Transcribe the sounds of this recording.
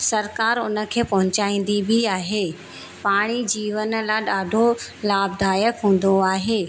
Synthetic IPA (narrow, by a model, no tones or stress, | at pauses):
sɐɾkaːɾʊnə̆kʰeːpɐɦʊt͡ɕaːĩːn̆d̪ibʱiaːɦeː | paːɽ̃id͡ʑiːʋənə̆laːɗaːɖʱolaːb̚d̪ʱaːjəkɦũːn̆d̪oaːɦeː